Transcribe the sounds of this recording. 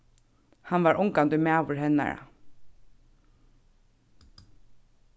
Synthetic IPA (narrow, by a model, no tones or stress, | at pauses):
hanʋaɹʔʊŋkant̪ʊjmæːʋʊɹɦɛnːa̰ɹa̰